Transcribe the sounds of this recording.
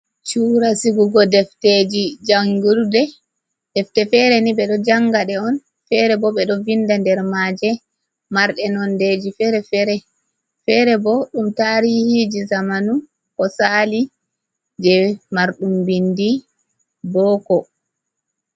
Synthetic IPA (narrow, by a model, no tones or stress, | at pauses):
t͡ʃuːɾasiɡuɡɔdɛfted͡ʒid͡ʒaŋɡuɾudɛ | dɛftɛfɛɾɛniɓɛɗɔd͡ʒaŋɡaɗɛɔn | fɛɾɛbɔɓɛɗɔvindandɛɾmad͡ʒɛ | maɾɗɛnɔnded͡ʒifɛɾɛfɛɾɛ | fɛɾɛbɔɗumtaɾihid͡ʒizamanu | kɔsali | d͡ʒɛmaɾɗumbindi | bɔːkɔ